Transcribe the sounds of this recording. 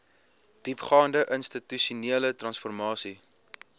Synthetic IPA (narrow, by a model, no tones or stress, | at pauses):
d̥ipχɑːndəʔənstityʃuniələtrɐnsfɔrmɑːsi